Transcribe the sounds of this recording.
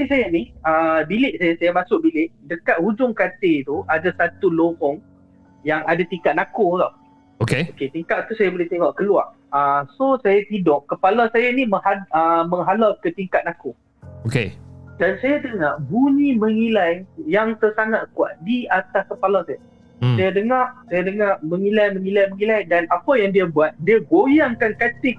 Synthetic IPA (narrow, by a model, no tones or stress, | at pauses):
isajaniəbilɪʔsajasajamasʊʔ̚bilɪʔdəkat̪̚hud͡ʒʊŋkat̪et̪uʔadasat̪ulohɔŋ | jaŋadat̪iŋkat̪̚nakolɔʔ | okeoket̪iŋkaʔ̪̚t̪usajabolit̪eŋɔʔkəlua̰r | əsosajat̪idɔʔkːəpalasajaniməhaəmə̃ŋɦalakət̪iŋkat̪̚nako | okedansajad̪əŋarbuɲĩməŋilajjaŋt̪ərsaŋat̪̚kua̰t̪̚diat̪askəpalasaja | sajadəŋaʔsajadəŋarməŋĩlajmə̃ŋĩlajməŋilajdanapajaŋdiabuat̪̚diaɡojaŋkankat̪ɪk̚